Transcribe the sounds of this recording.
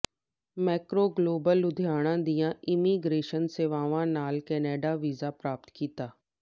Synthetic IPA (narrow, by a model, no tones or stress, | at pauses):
mɛːkɾoːɡloːbəlʊd̪ʱjaːɽ̃ãːd̪ijãɪmiːɡɾeːʃənseʋaːʋãnaːlkɛːneːɖaʋiːzapɾaːp̚t̪kiːt̪aː